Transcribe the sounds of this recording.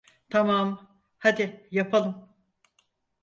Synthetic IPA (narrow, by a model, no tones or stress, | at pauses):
t̪ʰamam | had̪ɪjapʰalˠɯm